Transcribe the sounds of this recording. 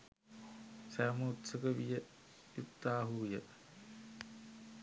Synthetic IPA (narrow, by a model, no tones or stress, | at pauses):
sæːməːt̪səkəʋijə | ut̪ːaːɦujə